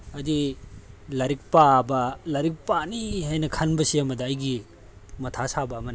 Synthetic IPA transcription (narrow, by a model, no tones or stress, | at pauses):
ɐdi | lɐɾik̚pabɐlɐɾik̚paniɦajnɐkʰanbɐsiɐmɐdɐːjɡi | mɐtʰasabɐːmɐni